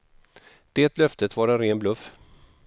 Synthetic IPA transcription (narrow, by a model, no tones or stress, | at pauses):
d̪̥eːt̪lœft̪ət̪vaɾɛnɾeːnblɵf